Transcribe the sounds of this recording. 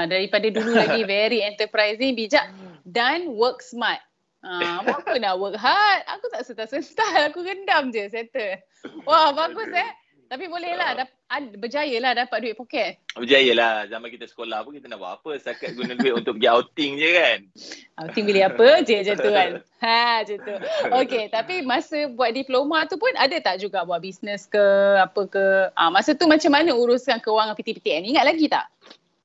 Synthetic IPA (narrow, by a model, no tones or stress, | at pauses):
daɾipadadululaɡivɛɾiɛnt̪əpɾajsiŋbid͡ʒaʔ̚danwək̚smat̪̚ | ãwakənaʔwək̚ɦat̪̚a̰kut̪aʔsət̪asənt̪alakuɡəndamd͡ʒəsɛt̪ə | wahbaɡusɛ | t̪apibolɛhlahda | abəd͡ʒajəlahdapat̪̚duitʔ̚pokɛt̪̚bəd͡ʒajəlahzamankit̪əsə̥kolahpunkit̪ənaʔba̰ʔapəst̪akat̪̚ɡunaduɪʔunt̪ʊk̚pəɡiawt̪ɪŋd͡ʒəkanawt̪ɪŋbiləapəd͡ʒəd͡ʒant̪uan | ad͡ʒət̪ʊoket̪apimasəbuat̪̚diplomat̪upʊnadət̪aʔd͡ʒuɡabuaʔbisnəskəapəkəamasət̪umat͡ʃamːanəuɾʊskankəwaŋapit̪ipit̪iɛniŋat̪̚laɡit̪a̰ʔ